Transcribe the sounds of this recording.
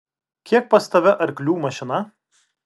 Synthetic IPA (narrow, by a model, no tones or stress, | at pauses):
kʲiɛk̚pɐst̪ɐʋʲɛʔɐɾʲklʲuːmɐʃʲɪnɐ